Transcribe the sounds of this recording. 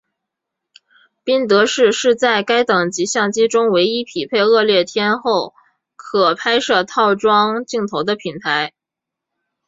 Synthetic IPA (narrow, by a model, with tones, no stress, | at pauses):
pi˥ŋt̪ɤ˧˥ʂɻ̩˥˧ʂɻ̩˥˧t͡sa˥˩ɪka˥ɪt̪ɤ˨˩ŋt͡ɕi˧˥ɕjɑ˥˩ŋt͡ɕi˥ʈ͡ʂʊ˥ŋwe˧˥ɪi˥pʰi˨˩pʰe˥˧ɪɤ˥˧ljɛ˥˩t̪ʰjɛ˥nxo˥˩ʊ | kʰɤ˨˩pʰa˥ɪʂɤ˥˧t̪ʰɑ˥˩ʊʈ͡ʂwɑ˥ŋt͡ɕi˥˩ŋt̪ʰo˧˥ʊd̪ə˧pʰi˨˩nt̪ʰa˧˥ɪ